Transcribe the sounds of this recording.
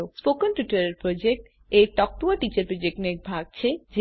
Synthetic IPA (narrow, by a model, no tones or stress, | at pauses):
ospokonʈuʈaɾeɾpɾod͡ʑek̚ʈ | ejʈɔk̚ʈ̪uaʈit͡ɕaɾpɾod͡ʑek̚ʈnek̚bʱaɡ̚t͡ɕʰed͡ʑ